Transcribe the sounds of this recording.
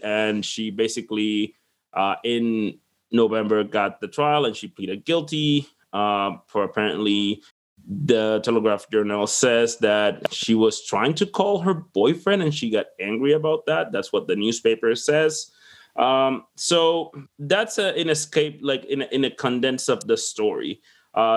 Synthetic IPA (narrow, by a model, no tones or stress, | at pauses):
ʔɨ̃nʃibeɪsɨkli | ʔʌʔɪ̃nː | oʊvɛ̃mbə˞ɡɑt̪̚ðɨtʰɹ̥aɪlˠə̃nʃipʰl̥iɾɨd̚ɡɪlˠti | ʔʌpʰə˞əpʰɛɹɨ̰̃nʔli | ðɨtʰɛlˠəɡɹæfd̥d͡ʒɜ˞nəl̩ˠsɛzðɨt̚ʃiwʌz̥tʰɹ̥aɪɪ̃ŋtʰɨkʰɔlˠə˞bɔɪfɹɛ̃ndɨ̃nʃiɡɑɾæ̃ŋɡɹiɨbaʊt̪̚ðæt̪̚ðætswʌt̪̚ðɨnʉz̥peɪpə˞sɛz̥ | ʔʌ̃msoʊðætsɨ̃nɨskeɪp̚laɪkɨ̃nʔɨ̃nɨkʰə̃ndɛ̃nsʌvðɨstɔɹḭ | ʔʌ